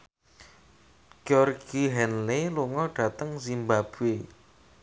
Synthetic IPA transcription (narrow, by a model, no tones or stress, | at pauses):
ɡ̥iɔrɡ̥iɦɛnleluŋɔɖ̥a̤t̪əŋzimbab̥ue